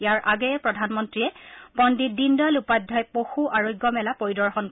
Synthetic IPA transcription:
ijaɹʔaɡɛjɛpɹɔdʱanmɔntɹiɛpɔndidindɔlupadʱːajpoxuʔaɹojɡːɔmɛlapoɹidɔɹxɔnk

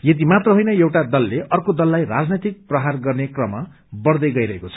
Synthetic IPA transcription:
jʌd̪imat̪rʌɦojnʌjewʈad̪ʌlːeʔʌrkod̪ʌlːajra̰d͡znit̪ik̚prʌɦarɡʌrnekrʌma | bʌɽd̪ʌjɡʌjɾʌɦekot͡sʰʌ̥

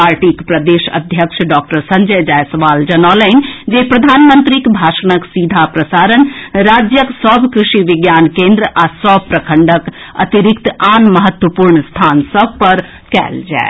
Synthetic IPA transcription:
aɾʈikpɾəd̪eʃə̰d̪ʱjəkʃʰɖɔk̚ʈəɾsə̃ɲd͡ʒəd͡ʒaesəʋald͡ʒənalənd͡ʒepɾəd̪ʱanmənt̪ɾikbʱaʃənəksid̪ʱapɾəsaɾənɾad͡ʒjəksəbʱkɾiʃiʋiɡjankẽnd̪ɾəʔasəbʱpɾəkʰəɳɖək | ə̰t̪iɾikt̪anməɦət̪wəpuɾɳst̪ʰansəbʱpəɾ | kɛ̰ld͡ʒa̰e

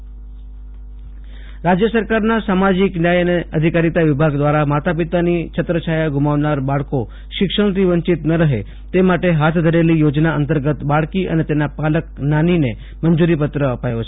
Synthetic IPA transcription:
ɾad͡ʑjəsəɾkaɾnasamad͡ʑiknjajəneəd̪ʱikaɾit̪aʋibʱaɡd̪ʋaɾamat̪ʰapit̪anit͡ʃʰət̪ɾəɕajaɡʱumaʋnaɾbaɭko | ʃikʂəɽ̃t̪iʋəɲt͡ɕit̪nəɾəɦe | t̪emaʈeɦat̪ʰd̪ʱəɾeliːjod͡ʑnaənt̪əɾɡət̪baɭkiːʔənet̪enːapalək̚nanine | mənd͡zuɾip̬ət̪ɾəəpajot͡ʃʰe

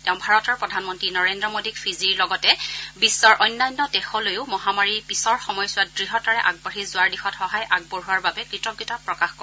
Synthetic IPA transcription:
tɛʊ̃bʱaɹɔtɔɹpɹɔdʱanmɔntɹinɔɹendɹɔmodikfʰiziɹlɔɡɔtɛbisːɔɹʔɔjnːajnːɔdɛxɔlojʊmɔɦamaɹipisɔɹxɔmɔjsʊwadɹiɦɔtaɹɛʔaɡ̚baɹizʊaɹdixɔtxɔɦajʔaɡ̚boɹuaɹbabɛkɹitɔɡjutapɹɔkaxkɔ

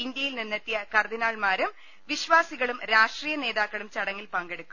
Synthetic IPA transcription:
ind̪jɐjilninːɐt̪ːijɐkɐrd̪inaːɭmaːɾɐm | ʋiɕʋaːsiɣɐɭumɾaːʂʈriːjɐne̞ːðaːkːɐɭumt͡ɕɐɽɐŋːilpɐŋɡe̞ɽukːu

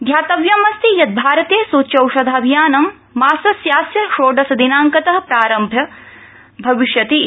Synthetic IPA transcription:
d̪ʱjaːt̪ɐʋjɐmɐst̪ʰijɐt̪̚bʱaːɾɐt̪eːsuːtt͡ʃɐwʃɐd̪ʱaːɐbʱijaːnɐmː | aːsɐsjaːsjɐʃoːɖɐsɐd̪inaːŋkɐt̪ɐɦɐpɾaːɾɐmbʱjɐ | bʱɐʋiʃjɐt̪i

